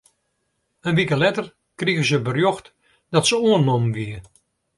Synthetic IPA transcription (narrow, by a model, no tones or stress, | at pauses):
ənʋikəlɛtər | kriɣəzəbərjoxt | d̥ɔtsəoənːomʋiə